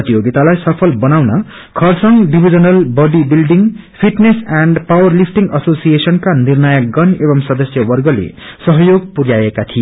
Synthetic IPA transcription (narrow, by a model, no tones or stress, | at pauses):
ʌt̪ijoɡit̪alajsʌpʰʌlbʌnawnʌ | kʰʌrsʌŋɖibʱid͡zʌnʌlbʌɖibilɖiŋpʰiʈnesaɳɖpawʌrlipʰʈiŋɡʌsosijesʌnkanirnajʌkɡʌnebʌmsʌd̪ʌsjʌwʌrɡʌlḛsʌɦʌjoɡ̚puɾjajekat̪ʰi